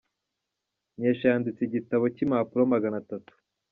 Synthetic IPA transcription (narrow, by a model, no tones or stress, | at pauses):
ɲeʃaːndit͡siɟitaβo̞cimaːpuɾomaɡanatatu̥